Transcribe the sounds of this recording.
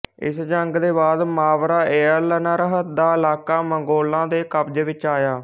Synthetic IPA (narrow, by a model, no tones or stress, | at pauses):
ɪ̰sd͡ʒəŋɡd̪eːbaːd̪maːʋɾaːʔeːələnaːɾəɦət̪d̪aːɪlaːkaːməŋɡoːlãːd̪eːkəpd͡ʒʋɪt͡ʃaːjaː